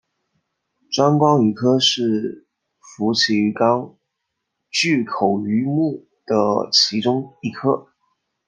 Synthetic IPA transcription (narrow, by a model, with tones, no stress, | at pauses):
ʈ͡ʂwa˥nkwɑ˥ŋi˧˥kʰɤ˥ʂɻ̩˥˩ | fu˧˥t͡ɕʰi˧˥y˧˥kɑ˥ŋ | t͡ɕy˥˩kʰo˨˩ʊy˧˥mu˥˩ | d̪̥ə˩t͡ɕʰi˧˥ʈ͡ʂʊ˥ŋi˧˥˩kʰɤ˥